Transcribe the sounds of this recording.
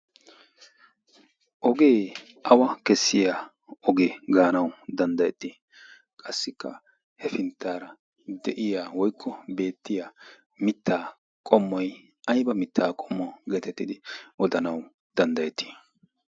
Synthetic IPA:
ʔɔɡe̞ː | ʔɐwɐkɛsːɪja | ɔɡeɡaːnɐwd̪ɐnd̪ɐjɛt̪ːi | kʼɐsːɪkːɐ̰ | hɛfɪnt̪ːaːɾɐ | d̪ɛʔɪjaːwɔjkʰːɔbe̞ːt̪ːɪja | mɪt̪ʰːaː | kʼɔmːɔj | ʔɐjbɐmɪt̪ːaːkʼɔmːɔɡɛt̪ɛt̪ːɪd̪ɪʔɔd̪ɐnɐw | d̪̥ɐnd̪ɐjɛt̪ːi̥

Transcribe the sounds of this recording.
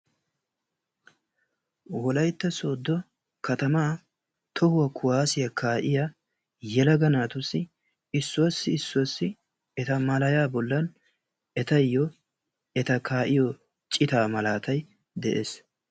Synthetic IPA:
wɔlɐjt̪ːɐsoːd̪ːɔ | kɐt̪ɐmaː | t̪ʰɔhʊwɐkʰʊwaːsɪjɐkʰaːʔɪja | jɛlɐɡɐnaːt̪ʊsːɪ | ɪsːʊwɐsːɪːsːʊwɐsːɪ | ɛt̪ɐmɐlɐjaːbɔlːɐn | ɛt̪ɐjːɔ | ɛt̪ɐkʰaːʔɪjɔ | t͡ʃʼɪt̪aːmɐlaːt̪ʰɐj | d̪ɛʔḛːs

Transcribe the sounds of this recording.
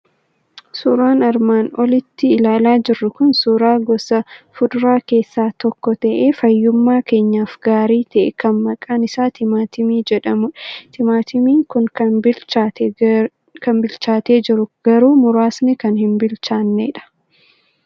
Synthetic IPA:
suːɾaːnɐɾmaːnɔlɪt̪ːɪːlaːlaːd͡ʒɪrːʊkʊnsuːɾaːɡɔsɐfʊd̪ʊɾaːke̞ːsːaːt̪ɔkːɔt̪ɐʔeːfɐjːʊmːaːke̞ːɲːaːfɡ̥aːɾiːt̪ɐʔɛ̰kɐnmɐkʼaːnɪsaːt̪ʰɪmaːt̪ɪmiːd͡ʒɛᶑɐmʊᶑt̪ɪmaːt̪ɪmiːŋkʊŋkat̪ | kɐmbɪlt͡ʃaːt̪e̞ːd͡ʒɪɾʊɡ̥ɐɾuːmʊɾaːsnɪkɐnhɪnbɪlt͡ʃaːnːḛːᶑɐ̥

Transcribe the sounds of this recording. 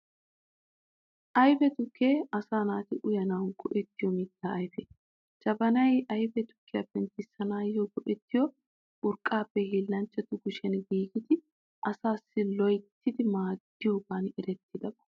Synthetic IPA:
ʔɐjfɛt̪ʊkʰːe̞ːɐsaːnaːt̪ɪʔʊjɐnɐwnɡɔʔɛt̪ːɪjɔmɪt̪ːaːjfɛ | t͡ʃɐbɐnɐjʔɐjfɛt̪ʊ̥kʰːɪjapːɛnt̪ɪsːɐnaːjoɡɔʔɛt̪ːɪjɔ | ʔʊɾkʼːaːpːɛhiːlːɐnt͡ʃːɛt̪ʊɡʊʃɛnɡiːɡɪt̪ɪ | ʔɐsaːsːɪlɔjt̪ːɪd̪ɪmaːd̪ːɪjoːɡaːnɛɾɛt̪ːɪd̪ɐbɐ̥

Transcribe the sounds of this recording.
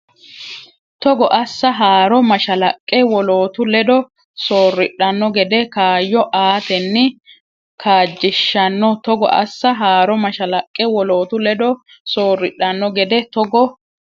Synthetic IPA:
t̪ɔɡɔʔɐsːɐɦaːɾɔmɐʃɐlɐkʼːɛwɔloːt̪ʊlɛd̪ɔ | soːrːɪɗɐnːɔɡɛd̪ɛkaːjːɔʔaːt̪ɛnːɪ | kʰaːd͡ʒːɪʃːɐnːɔt̪ɔɡɔ̰ʔɐ̰sːɐɦaːɾɔmɐʃɐlɐkʼːɛwɔloːt̪ʊlɛd̪ɔ | soːrɪɗːɐnːɔɡɛd̪ɛt̪ɔɡɔ

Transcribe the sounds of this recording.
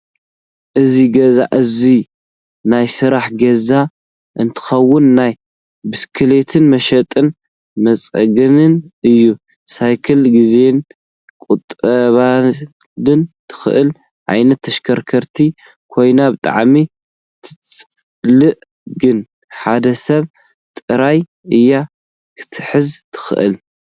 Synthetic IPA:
ʔɨziɡɐza̰ʔɨzi | najsɨɾaħɡɐza | ʔɨnt̪ʰɨ̥xɐwːʊnːaj | bɨskʰɨle̞t̪ʰɨnmɐʃɐt̪ʼɨn | mɐt͡sʼɐ̰ɡɨnɨnɨjːu | sajkʰɐlɡize̞n | kʼut̪ʼɐβa | lɨnt̪ʰɨ̥xɨ̰ʔɨl | ʕa̰jnɐt̪ʰːɐʃkʰɐɾkʰɐɾt̪ʰi | kʰo̞jnabɨt̪ʼa̰ʕmi | t̪ʰɨt͡sʼ | lɨʔ | ɡɨn | ħad̪ɐsɐβ | t̪ʼɨɾaj | ɨjːa | kʰɨ̥t̪ʰɨħɨzt̪ʰɨ̥xɨ̰ʔɨ̰l

